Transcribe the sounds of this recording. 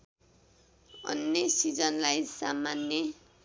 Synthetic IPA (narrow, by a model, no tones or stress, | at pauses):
ʌ̰nːesid͡zʌnlajsamanːe